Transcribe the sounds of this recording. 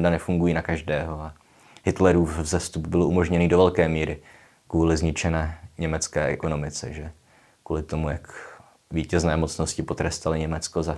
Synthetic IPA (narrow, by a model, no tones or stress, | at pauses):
danɛfuŋɡujiːnakaʒdɛːɦo̞a | hɪt̪lɛɾuːfzɛst̪ubbɪloʔumo̞ʒɲɛniːdovɛlkɛːmiːɾɪ | kvuːlɪzɲɪt͡ʃɛnɛːɲɛmɛt͡skɛːʔɛko̞no̞mɪt͡sɛ̰ʒɛ | kuːlɪt̪o̞mujak | viːcɛznɛːmot͡sno̞scɪpo̞t̪ɾɛst̪alɪɲɛmɛt͡skoza